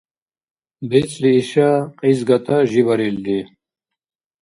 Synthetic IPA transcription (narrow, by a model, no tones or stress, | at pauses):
bit͡sliːɕaqizɡɐt̪ʰaʑibɐɾild̪i